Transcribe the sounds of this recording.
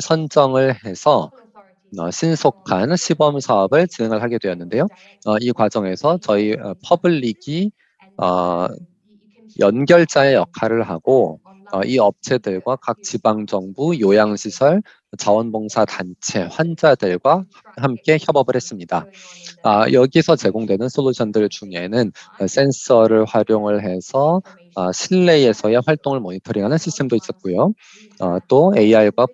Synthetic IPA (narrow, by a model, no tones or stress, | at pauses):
sʰʌnd͡ʑʌŋɯɭhe̞sʰʌ | ɕʰinsʰokʰanɕʰibʌmsʰaʌbɯɭt͡ɕine̞ŋɯɭɦaɡedwe̞ʌnːɯnde̞jo | ʌikwad͡ʑʌŋe̞sʰʌt͡ɕʌiʌpʰʌbɯɭːiɡi | ʌ̰ | jʔʌnɡjʌɭt͡ɕ͈aejʌkʰaɾɯɭɦa̰ɡ̥o | ʌʔiʌp̚t͡ɕʰe̞dɯɭɡwakak̚t͡ɕibaŋd͡ʑʌŋbujojaŋɕʰisʰʌɭ | t͡ɕawʌnbʌŋsʰatant͡ɕʰe̞ɸwand͡ʑadɯɭɡwa | ɦamk͈e̞çjʌbʌbɯɭhe̞s͈ɯmɲida̰ | a̰jʌɡisʰʌt͡ɕe̞ɡoŋdwe̞nɯnsʰolːoɕʰʌndɯɭt͡ɕuŋe̞nɯns͈e̞nsʰʌɾɯɭɸwaɾjoŋɯɭɦe̞sʰʌː | ɕʰiɭːe̞ie̞sʰʌe̞ɸwaɭt͈oŋɯɭmoɲitʰɯɾiŋɦanɯnɕʰistʰemdois͈ʌt̚k͈ojo | ʌ̰t͈oe̞iaiɡwa